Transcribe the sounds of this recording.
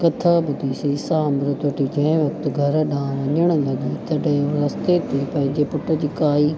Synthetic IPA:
kɐt̪ʰaːbʊd̪ʱiːsisaːmɾɪt̪ʋɐʈid͡ʑɐ̃ɦʋɐk̚t̪ɡʱɐɾɗãːʋɐ̃ɲəɽ̃lɐɡit̪ɐɖɦẽɾɐst̪et̪ʰipɐ̃ɦɪ̃ɲd͡ʑepʊʈəd͡ʑiːkaːiː

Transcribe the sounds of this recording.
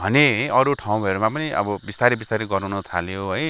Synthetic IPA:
bʱʌneɦʌjʌɾuʈʰaw̃ʌɾumãpʌniʔʌ̰bʌbist̪aɾibist̪aɾiɡʌɾawnut̪ʰaljoɦʌj

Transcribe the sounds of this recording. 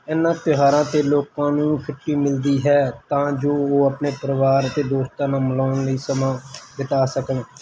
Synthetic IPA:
ɛːnːãːt̪ɪɦaːɾãːt̪eːloːkãːnũːpʰɪʈːiːmɪld̪iːɦɛːt̪ãːd͡ʒoːoːəpneːpəɾəʋaːɾət̪eːd̪oːst̪ãːnãːməlaːnləiːsəmãːd̪ɪt̪aːsəkən

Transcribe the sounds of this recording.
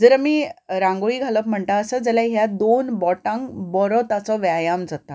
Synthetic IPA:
d͡zəɾamiɾãŋɡoɭiːɡʱaləp̚m̤əɳt̪aəsəd͡zəlaɦjad̪onbɔʈãŋɡbɔɾɔt̪at͡sɔʋjajamd͡zat̪a

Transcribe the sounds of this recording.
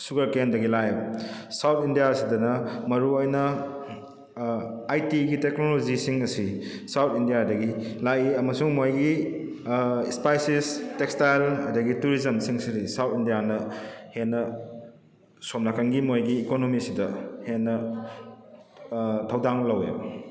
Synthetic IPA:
suɡɐɾkendɐɡilajsawtʰindijasidɐnɐmɐɾuojnɐ | ajtiɡiteknolozisiŋɐsisawtʰindijadɐɡilajiɐmɐsuŋmojɡi | spajsistekstajlɐ̰dɐɡituɾizɐmsiŋsiɾisawtʰindijanɐhenːɐ | somnakaŋɡimojɡiːkonomisidɐhenːɐ | tʰɐwdaŋlɐwḛbɐ

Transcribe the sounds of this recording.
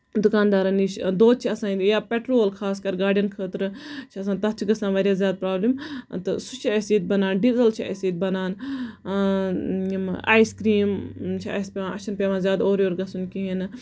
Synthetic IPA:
d̪ʊkaːnd̪aːɾɐniʃd̪oːt̪̚t͡ʃʰiɐsãːjaːpʲeʈɾoːlkʰaːskɐɾɡaːɖijɐnkʰəːt̪ɾɨt͡ʃʰiɐs̬ãːt̪ɐt̪t͡ʃʰiɡɐsãːʋɐːɾjaːzʲjaːd̪̚pɾaːbliːmt̪ɨsut͡ʃʰiɐsiːt̪̚bɐnaːnɖizɐlt͡ʃʰiɐ̰siːt̪̚bɐnaːn | imʔaːjskɾiːmt͡ʃʰiɐ̰spʲeʋãʔɐʃʰɐnpʲeʋãːzʲjaːd̪oːɾjoːɾɡɐsunkiɦinɨ

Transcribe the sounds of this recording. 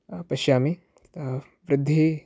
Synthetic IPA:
pɐʃjaːmi | ʋɾɪd̪ʱːe

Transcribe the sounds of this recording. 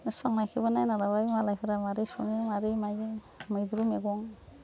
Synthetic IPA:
nɯspʰaŋnajkʰɯbanajnalabajmalajpʰaɾamaɾisɔnimaɾimaj | majduɾumeɡɔŋ

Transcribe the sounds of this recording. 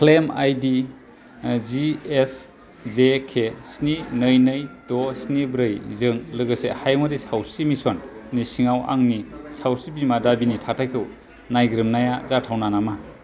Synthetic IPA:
kʰlemajdi | zies | zekʰesninɯjnɯjtɔsnibɾɯjzɯŋlɯɡɯsḛhajmadisawsimisɔnːisiŋawa̰ŋnisawsibimadabinitʰatʰajkʰɯw | najɡɾɯmnajazatʰawnanama

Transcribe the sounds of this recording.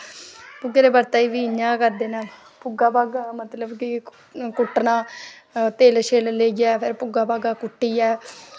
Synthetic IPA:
pʊɡeːɾeːbəɾt̪aːiːʋiːɪɲãːkəɾd̪eːnaː | pʊɡaːbaːɡaːmət̪ləbkɪ | kʊʈːnãː | t̪eːlʃeːlleːɡɪaːpʰɪɾpʊɡaːbaːɡaːkʊʈːiːɛː

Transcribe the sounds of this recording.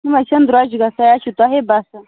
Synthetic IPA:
nimat͡ʃɐnd̪uɾad͡ʒiɡasajat͡ʃit̪aɦebasa

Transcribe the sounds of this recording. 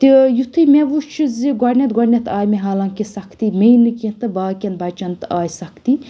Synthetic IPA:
t̪ijut̪ʰɨmeʋuʃʰɨziɡɔɾnʲɐt̪ɡɔɾnʲet̪ʰaːjmeɦaːlãːŋkisɐkʰt̪imʲejnɨkĩt̪ɨbaːkʲɐnbɐt͡ʃɐnt̪ɨaːjsɐkʰt̪i

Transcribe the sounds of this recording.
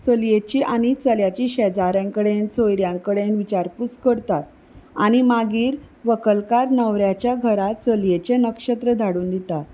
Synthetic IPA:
t͡səljet͡ɕiːʔañit͡səljat͡ɕiːɕɛd͡zaɾãŋkəɽensojɾjãŋkəɽenʋit͡ɕaɾput͡skəɾt̪at̪̚ | aɽ̃imaɡiːɾʋəkəlkaɾnəʋɾjat͡ɕjaɡʱəɾat̪t͡səljet͡ɕenəkʂət̪ɾəd̪ʱaɽuːnd̪it̪at̪

